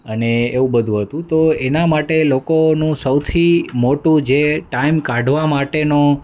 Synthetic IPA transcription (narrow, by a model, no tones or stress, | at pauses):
əneeʋũbəd̪ʱũɦət̪ũt̪oenamaʈelokonũsəwt̪ʰimoʈũd͡ʒeʈaimkaɖʱʋamaʈeno